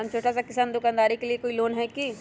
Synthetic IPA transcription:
ant͡ʃʰoːʈasakɪsaːnd̪ʊkaːnd̪aːɾikeliekoːiloːnɦɛki

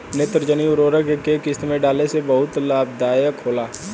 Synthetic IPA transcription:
neːt̪ɾd͡ʒəniʊɾoːɾəɡkekɪst̪mẽɖaːlesebɐɦʊt̪laːb̚d̪aːjəkʰoːlaː

